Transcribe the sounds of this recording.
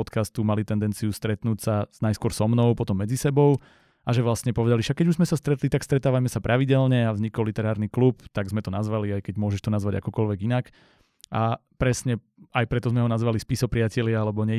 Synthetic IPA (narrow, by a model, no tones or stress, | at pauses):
ɔt̪kast̪umalit̪ɛnd̪ɛnt͡siust̪ɾɛt̪nucsaz̥najskʊɔɾsɔmnɔʊpɔt̪ɔmːɛd͡zisɛbɔʊ | aʒɛʋlast̪ɲɛpɔʋɛd̪aliʃakːɛɟuʒzmɛsast̪ɾɛt̪lit̪akst̪ɾɛt̪aːʋamɛsapɾʔaʋiɟɛlɲɛavzɲikɔlit̪ɛɾaːɾniklup̚t̪aɡzmɛt̪ɔnazʋaliajkɛɟmʊɔʒɛʃt̪ɔnazʋaɟa̰kɔkɔlʋɛɡinak | ʔapɾɛsɲɛ | ajpɾɛt̪ɔzmɛɦɔnazʋalispisɔpɾɪacɛlɪaalɛbɔɲɛ